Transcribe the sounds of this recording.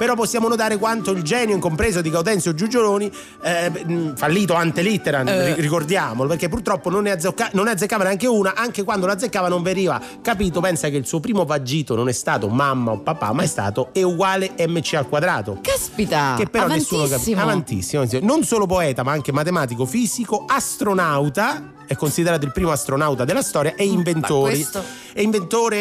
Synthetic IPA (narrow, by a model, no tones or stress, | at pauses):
peɾɔpːosːjaːmonot̪̬aːɾekwant̪oild͡ʒɛːnjoiŋkompɾeːzod̪iɡawd̪ɛnt̪sjod͡ʒud͡ʒoloːni | falːiːt̪oant̪elit̪ːeɾairikord̪jaːmolopeɾkepːurt̪ɾɔpːononːɛad̪zokːanonːɛad̪zːekːaːvaneaŋkeuːnaʔaŋkekwand̪olad̪zːekːaːvanoɱveɾiːva | kapiːt̪̬opɛnsakeilsuːpɾiːmovad͡ʒːiːt̪ononɛst̪aːt̪omamːaopːapːa̰mːaɛst̪a̰ːt̪oɛuɡwaːleɛmːet͡ʃːialkwad̪ɾaːt̪okspit̪akepːeɾɔnɛsːulkaavant̪ḭsːiinonsoːlop̬oɛːt̪amaaŋkemat̪emaːt̪̬ikofiːsikoast̪ɾonawt̪a | ɛkːonsid̪eɾaːt̪̬oilpɾiːmoast̪ɾonawt̪ad̪elast̪ɔːɾjaʔɛiɱventt̪oːɾi | ɛiɱvent̪oːɾe